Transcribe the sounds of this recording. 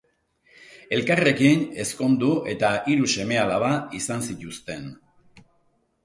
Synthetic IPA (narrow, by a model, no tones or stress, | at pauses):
e̞lkare̞kine̞sko̞nd̪uʔe̞t̪aʔiɾuse̞me̞alaβaisansit̪ust̪e̞n